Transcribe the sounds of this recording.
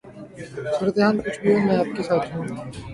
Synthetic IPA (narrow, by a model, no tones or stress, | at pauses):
suːɾət̪eɦãːnkʊt͡ʃʰbʱiõmɛ̃aːp̚kesaːt̪ʰɦũː